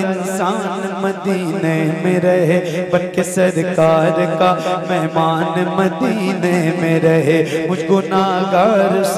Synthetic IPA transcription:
ɪnsaːnmɐd̪iːnemẽɾɐɦebɐlkesɐɾkaːɾkamɛɦmaːnmɐd̪inẽmẽɾɐɦemʊd͡ʒʱɡʊnaːɡaːɾs

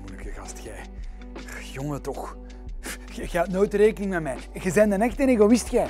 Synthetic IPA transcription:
mujləkəɣɑstxɛj | joŋətɔx | xɣɛtnoːjtəɾeːkənɪŋmɛtmɛj | ɣəzɛjndənɛxtəneːɣowɪstxɛː

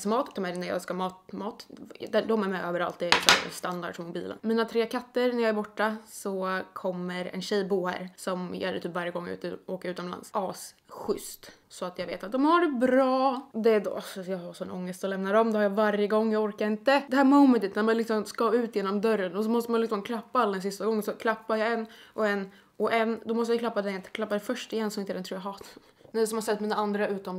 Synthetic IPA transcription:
smɑːt̪d̪ɔmæɾnæɾjɑ̰ːɡskamɑːt̪mɑːt̪d̪ɛd̪ɔmɛɾmɛjʔøːvəɾa̰lt̪̚d̪ɛɪ̰sɔ̰mst̪and̪a̰ɖʂɔmʊbiːlə̰nmiːnat̪ʰɾeːkʰat̪ːəɾnæɾjɑːæɾbɔʈːasɔkʰɔmːəɾɛ̰nɕɛjbuːhæ̰ːɾsɔmj̰ːæt̪ʰyːpːvaɾjəɡɔŋːʉ̰ːt̪əoːkəɾʉt̪ɔmla̰nsɑːs | ɧʏ̰st̪ | sɔat̪jɑːɡvḛːt̪at̪̚d̪ɔmhaɖɛbɾɑːd̪ɛd̪̰asɔjɑːɡhasɔnʔɔ̰ŋːəst̪ɔlɛmnaɾɔmd̪ɛhaɾjɑvaɾjəɡɔŋːjɑːɡɔɾkaɾɪnt̪əd̪ɛhæːɾmɔʊmɛnt̪ət̪næɾmanlɪksɔmskɑʉ̟ːt̪jeːnɔmd̪œɾːənɔsɔmɔst̪əmanlɪksɔmkʰlapːaalːad̪ɛnsɪst̪aɡɔŋːəsɔkʰlapːajɑɛnːʔɔɛnː | ɔʔɛnːd̪ɔmɔst̪jajklapːad̪ɛkʰlapːad̪ɛfœʂʈɪjɛnːsɔmɪnt̪əɛɾɛnt̪ʰɾuːjaɦɑːt̪ad̪ | nɛsɔmhaɾsɛt̪ːmiːnaand̪ɾaʉ̟ːt̪ɔm

